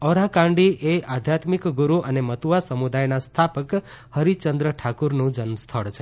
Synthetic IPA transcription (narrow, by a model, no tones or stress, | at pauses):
ɔɾakãɳɖiʔead̪ʱjat̪mikɡuɾuʔənemət̪uʋasəmud̪ajnast̪ʰapək | həɾit͡ʃənd̪ɾəʈʰakuɾnũd͡ʒənst̪ʰəɭt͡ʃʰe